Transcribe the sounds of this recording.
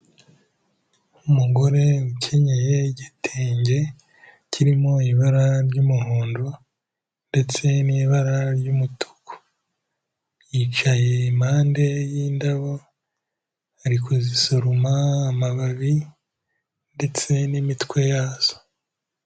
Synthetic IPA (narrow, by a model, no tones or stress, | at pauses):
umuɡo̞ɾe̞ucʰe̞ɲe̞je̞ɟitʰeːɲɟe̞ | ciɾimo̞iβaɾaɾɟumuhuːndo | nde̞t͡se̞niːβaɾaɾɟumutʰu̥ko̥ | jit͡ʃaje̞imaːnde̞jindaβo | aɾikuzisoɾumaːmaβaβi | nde̞t͡se̞nimitkwe̞jaːz̥o̥